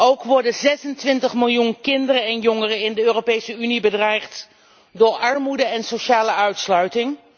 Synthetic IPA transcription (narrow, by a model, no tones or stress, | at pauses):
owkʋɔɹdənzɛsəntʋɪntəχmɪlˠjunkɪndərənɛnjɔŋərəɪndəøːropejsəynibədrɛjχt | dʊːɹʔɑɹmudəɛnsoʃaːləʔœɥtslœɥtɪŋ